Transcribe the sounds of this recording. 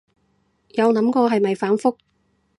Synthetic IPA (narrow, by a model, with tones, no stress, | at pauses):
jɐ˨˧wnɐ˨˥mkɔː˧ɦɐ˨jmɐ˨jfaː˨˥nfʊ˥k̚